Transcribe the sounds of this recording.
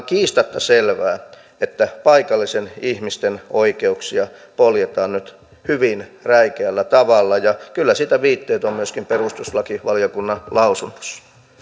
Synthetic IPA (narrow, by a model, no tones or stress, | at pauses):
kiːst̪ɑt̪ːɑselʋæː | et̪ːæpɑikɑlːisenihmist̪enoikeuksiɑpoljet̪ɑːnnyt̪ | hyʋinræikeælːæt̪ɑʋɑlːɑjɑkylːæsit̪æʋiːt̪ːeːt̪ommyøskimperust̪uslɑkiʋɑljokunːɑlɑusunːo̥s